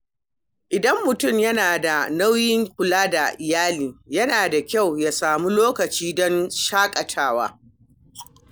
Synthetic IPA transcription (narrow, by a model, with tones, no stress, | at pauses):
ʔɪ˨dɐ˦mːʊ˨tʊ˦˨mjɐ˦naː˨da˨na˦wjɪ˦ŋkʷʊ˨laː˦da˨ʔɪ˨jaː˦liː˨jɐ˦naː˨da˨kʲa˦˨wjaː˨saː˨mu˦loː˦kɐ˨t͡ʃiː˦dɔ˦nʃaː˦kʼɐ˨tʰaː˦wa̰ː˦